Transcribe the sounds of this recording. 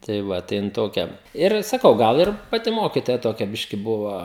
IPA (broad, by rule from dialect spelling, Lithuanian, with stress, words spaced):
tɐɪ ˈʋɐ tɐɪ ˈjɪn ˈtoːkʲɛ ɪr sɐˈkɐʊ ˈɡɐlˠ ɪr pɐˈtʲɪ ˈmoːkʲɪtoːjɛ toːˈkʲɛ ˈbʲɪʃʲkʲɪ ˈbʊʋoː